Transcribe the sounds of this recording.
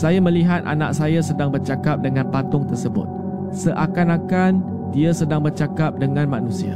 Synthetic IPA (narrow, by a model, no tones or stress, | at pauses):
sajamə̃liɦat̪̚a̰na̰ʔ̚sajasədaŋbərt͡ʃakap̚dəŋãnpat̪ʊŋt̪ərsəbʊ̰t̪̚ | səʔakanakan | diasədaŋbərt͡ʃakap̚dəŋãnmanũsia̰